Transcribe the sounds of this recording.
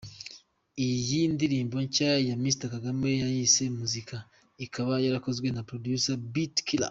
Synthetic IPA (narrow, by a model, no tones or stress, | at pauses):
ijindiɾiːmbo̞ɲcajamistakaɡame̞jajise̞muzika | ikʰaβajaɾako̞zɡwe̞napɾodjusabitkila̰